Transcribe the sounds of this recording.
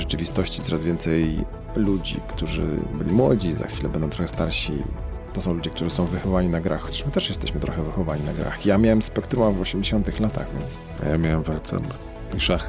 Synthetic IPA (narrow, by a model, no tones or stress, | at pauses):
ʐɛt͡ʂɘvʲist̪ɔɕt͡ɕit̪ɔɾazvʲjɛnt̪sɛj | lud͡ʑḭkt̪uʐɘ̰bɘ̰lʲimwɔd͡ʑiza̰xfʲilɛbɛnd̪ɔ̃w̃t̪ɾɔxɛst̪aɾɕḭt̪ɔsɔ̃w̃lud͡ʑɛkt̪uʐɘɨsɔ̃w̃vːɘxɔvvaɲinaɡɾaxxːɔt͡ɕḁʂmɘt̪ɛʂjɛst̪ɛɕmɘt̪ɾɔxɛvɘxɔvaɲinaɡɾa̰xjamʲjawɛmspɛk̚t̪ɾumavɔɕɛmd͡ʑeɕɔnt̪ɘxlat̪ʰa̰ɣvʲjɛ̰nt̪s | a̰jamʲjawɛmvɛɾt̪sɛ̰mʲ | iʂax